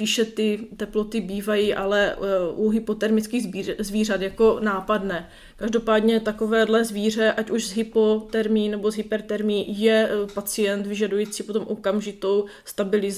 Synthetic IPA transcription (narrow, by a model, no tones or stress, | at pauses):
spiːʃɛt̪ɪt̪ɛplot̪ɪbiːvajiːʔalɛuɦɪpo̞t̪ɛɾmɪt͡skiːɣzzviːrat̪jako̞naːpadnɛː | kaʒdo̞paːdɲɛt̪akovɛːdlɛzviːr̝ɛʔacuʒzɦɪpo̞t̪ɛɾmiːnɛbo̞zɦɪpɛɾt̪ɛɾmiːjɛpat͡sɪjɛnt̪vɪʒadujiːt͡siːpot̪o̞mʔokamʒɪt̪o̞w | st̪abɪlɪz